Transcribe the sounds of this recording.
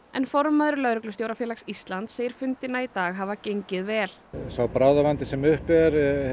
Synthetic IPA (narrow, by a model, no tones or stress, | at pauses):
ɛnfɔɾmaðɾʏɾlœɾʏklʏst̪jowɾafjɛːlaksist̪lant̪seːjɪɾ̥fʏnt̪ɪnait̪aːɣɦavacejɲcɪðvɛːlsawpɾawðavant̪ɪsɛmʏhpɛɾ